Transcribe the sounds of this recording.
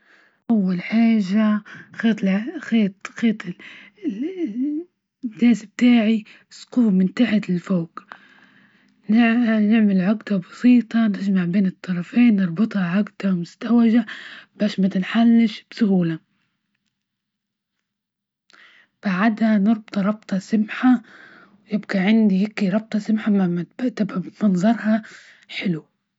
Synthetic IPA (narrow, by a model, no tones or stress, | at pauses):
ʔawːalħaːʒaxeːt̪ˤxeːt̪ˤxeːt̪ˤɪ | ɡaːsb̚t̪aːʕi | squːmɪnt̪aħat̪ɪlfoːk | nnɪʕmɪlʕʊɡd̪abɑsiːt̪ˤɑnɪd͡ʒmaʕbeːnɨt̪ʰˤːɑɾˤɑfeːnːɨɾˤbɨt̪ˤhɑʕʊɡd̪̥amʊst̪awaʒab̥aːʃmat̪ɪnħalːɪʃb̥sʊhuːla | b̥aʕad̪hanɨɾˤbt̪ˤɾˤɑb̚t̪ˤɑsɪmħa | wjɪbɡaʕɪnd̪ihɪkːiɾˤɑb̚t̪ˤɑsɪmħamamabaʔt̪abamɑnzˤɑɾˤhɑ | ħɪlu